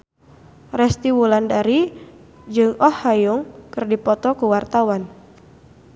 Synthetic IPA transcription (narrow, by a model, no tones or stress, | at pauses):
rɛst̪iwulandaɾi | d͡ʒɨŋɔhːajʊŋkɨrdipɔt̪ɔkuwart̪awan